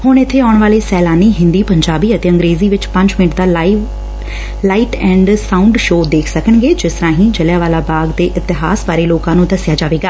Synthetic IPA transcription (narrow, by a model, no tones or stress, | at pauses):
hʊɳɪt̪ʰːeːaːʊɳ̃ʋaːleːsɛːlaːniːɦɪ̃nd̪iːpəɲd͡ʒaːbiːət̪eːə̃ŋɡɾeːziːʋɪt͡ʃpə̃ɲd͡ʒmɪnɪʈd̪aː | laːiːʈɛ̃ːɳɖsaːʊɳɖʃoːd̪eːkʰsəkəɳɡeːd͡ʒɪst̪əɾãːɦĩːd͡ʒəljaːʋaːlaːbaːɡd̪eːʔɪt̪ɪɦaːsʋaːɾeːloːkãːnũːd̪əsɪjaːd͡ʒaːʋeːɡaː